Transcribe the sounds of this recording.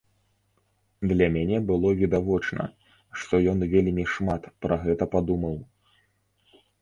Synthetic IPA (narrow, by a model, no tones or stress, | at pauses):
d̪lʲɐmʲanʲɛbɨlˠɔvʲid̪avɔt͡ʂnɐ̰ | ʂt̪ɔjɔnvʲelʲmʲiʂmat̪pɾɐɣɛt̪ɐpad̪umɐw